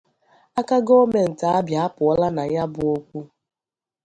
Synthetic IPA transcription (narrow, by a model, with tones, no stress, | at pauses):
a˦ka˦ɡo˦me˨n̩˨ta˨a˦bja˨a˦pʊ˨ɔ˦la˦na˨ja˦bʊ˨o˦kʷu˦